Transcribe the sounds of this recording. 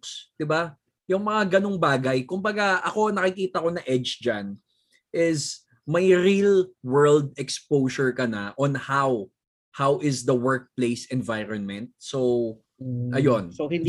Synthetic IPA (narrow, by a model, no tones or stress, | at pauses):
sd̪̥ɪba | jʊŋmɐŋaɡɐnoŋbaːɡɐjkʊmbɐɡaʔɐko̞nɐkɪkiːt̪ɐko̞nɐʔɛd͡ʒd͡ʒan | ʔɪs | mɐjɾilwɛ˞ld̪̚ɛkspowʃɔɹkɐnɐʔɔnhaw | hawʔɪsd̪ɐwɛɹk̚plejsɛnvajɾɔnmɛ̃nt̪̚sow | ʔɐjonohɪn